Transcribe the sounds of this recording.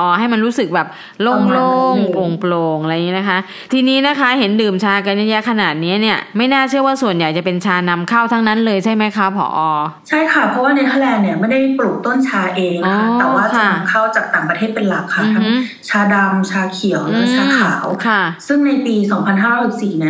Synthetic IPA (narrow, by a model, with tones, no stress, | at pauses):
ʔɔː˧˩ha˥˩jma˧nɾuː˦˥sɯ˨˩k̚bɛː˨˩p̚ | loː˥˩ŋloː˥˩ŋʔo˧ŋploː˧ŋʔa˧jŋiː˦˥na˦˥kʰa˦˥ | t̪ʰiː˧niː˦˥na˦˥kʰa˦˥ɦe˩˦ndɯː˨˩mt͡ɕʰaː˧ka˧nja˦˥jɛ˦˥kʰa˧naː˨˩t̪̚ni˦˥ɐni˥˩ɐma˥˩jnaː˥˩t͡ɕʰɯ˥˩əwaː˥˩su˨˩ənja˨˩jt͡ɕa˨˩pe˧nt͡ɕʰaː˧na˧mkʰa˥˩wt̪ʰa˦˥ŋna˦˥nlɤː˧jt͡ɕʰa˥˩jma˦˥jkʰa˦˥pʰɔ̰ː˨˩˦ʔɔː˧t͡ɕʰa˥˩jkʰa˥˩pʰɔ˦˥waː˥˩na˧jt̪ʰa˥˩lɛː˧nni˥˩ɐma˥˩jda˥˩jpɾluː˨˩k̚t̪o˥˩nt͡ɕʰaː˧ʔeː˧ŋɔː˧a˧˦t̪ɛː˨˩waː˥˩kʰa˨a˧n˩a˧mkʰa˥˩wt͡ɕaː˨˩k̚t̪aː˨˩ŋpɾa˧eː˥˩t̪̚pe˧nla˨˩kʰːa˧˩mː˩˧tʰa˦˥ŋ˦ | t͡ɕʰaː˧da˧mt͡ɕʰaː˧kʰi˨˩˦əwlɯ˦˥˧t͡ɕʰaː˧kʰaː˨˩˦wkʰa˥˩sɯ˥˩ŋna˧jpiː˧sɔː˩˦ŋpʰa˧nɦaː˥˩ɾɔː˥˦˥si˨˩siː˨˩ni˥˩ɐ